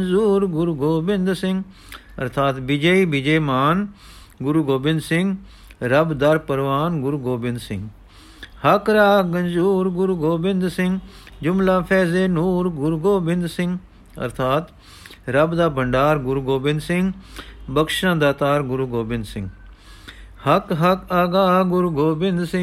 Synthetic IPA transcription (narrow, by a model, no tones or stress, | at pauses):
nzuːɾɡʊɾuɡoːbɪnd̪sɪ̃ŋɡ | ə̰ɾt̪ʰaːt̪bɪd͡ʒeiːbɪd͡ʒeːmaːn | ɡʊɾuːɡoːbɪ̃nd̪sɪ̃ŋɡ | ɾəbd̪əɾpəɾʋaːnɡʊɾuɡoːbɪ̃nd̪sɪ̃ŋɡ | həkɾaːɡənzuːɾɡʊɾuːɡoːbɪnd̪sɪ̃ŋɡ | d͡ʒʊmlaːpʰɛːzeːnuːɾɡʊɾuɡoːbɪnd̪sɪ̃ŋɡ | ə̰ɾt̪ʰaːt̪ | ɾəbd̪aːbəɳɖaːɾɡʊɾuːɡoːbɪ̃nd̪sɪŋɡbəkʃãːd̪aːt̪aːɾɡʊɾuːɡoːbɪ̃nd̪sɪ̃ŋɡ | həkɦəkaːɡaːɡʊɾuːɡoːbɪnd̪sɪ̃